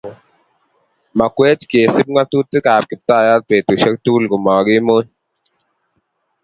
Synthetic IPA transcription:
ma˨kwe˦t͡ʃke˨sɪ˦p̚ŋa˦tu˦tɪ˦ka˨p̚kɪ˨ta˦˨ja˦t̚pe˨to˨ʃa˦ktu˦lɡʊ˨mɔ˨ɡɪ˦mo˦ɲ

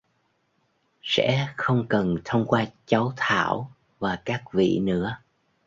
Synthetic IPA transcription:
sɛ̰˧˥xə˧wŋ͡mkə˨˩nt̪ʰə˧wŋ͡mkwaː˧t͡ɕa˨˦wt̪ʰa̰ː˧˩˨w | vaː˨˩kaː˦˥k̚vḭ˧˨nɨ̰˧˥ə

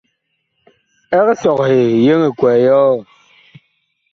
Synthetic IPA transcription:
ɛ˦ksɔ˨khe˨je˦ŋe˨kwɛ˨jɔː˦

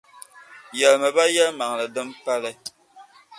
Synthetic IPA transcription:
jɛ˨lmə˨ba˦jɛ˦lma˨ŋ˨lə˨dɨ˦mpa˦lɛ˦

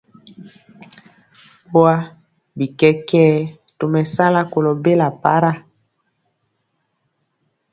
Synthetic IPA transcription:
o˦a˦ | bi˨kɛ˦kɛː˦ | to˨mɛ˨sa˦la˦ko˨lo˨be˦la˨pa˦ɾa˦

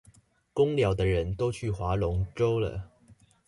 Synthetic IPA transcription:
kʊ˥ŋljɑ˨˩ʊd̪ə˦ɻə˨˦nt̪o˥ʊt͡ɕʰy˥˩xwa˨˧˥lʊ˧˦ŋʈ͡ʂo˥ʊlə̰˨

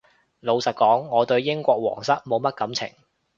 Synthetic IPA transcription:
lo˨˧wsɐ˨t̚kɔː˨˥ŋːɔː˨˧t̪ɵ˧ɥjɪ˥ŋkʷɔː˧k̚wɔ̰ː˨˩ŋsɐ˥t̚mo˨˧wmɐ˥t̚kɐ˨˥mt͡sʰɪ̰˨˩ŋ

